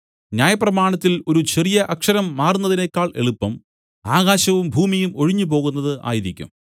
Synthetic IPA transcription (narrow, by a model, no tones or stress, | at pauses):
njaːjɐprɐmaːɳɐt̪ːilo̞ɾut͡ɕʰerijɐʔɐkʂɐɾɐmːaːrunːɐðinekʲːaːɭʔe̞̰ɭupːɐm | aːɣaːɕɐʋumbʱuːmijumo̞ɻiɲːup̬o̞ːɣunːɐðɨʔa̰ːjiðikʲːṵm